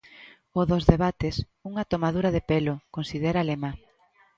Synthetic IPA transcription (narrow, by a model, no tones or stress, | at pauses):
oðozðeβat̪es | uŋɐt̪omaðuɾaðepelokonsið̞eɾalema